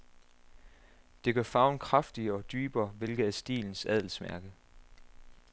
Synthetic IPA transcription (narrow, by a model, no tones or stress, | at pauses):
d̥e̝ɡ̥ɶɐfɑ̈ʊnkʰʁɑfd̥iɒ̽d̥yːb̥ɐːʋe̝lɡ̥ð̩ˠæsd̥ḭːln̩sæðˠl̩smæɐɡ̥ə